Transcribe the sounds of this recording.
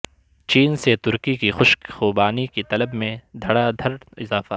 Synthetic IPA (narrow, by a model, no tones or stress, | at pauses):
t͡ʃiːnset̪ʊɾkikixʊʃkxuːbaːnikit̪ɐləbmẽd̪ʱɐɽad̪ʱɐɾɪ̰zaːfa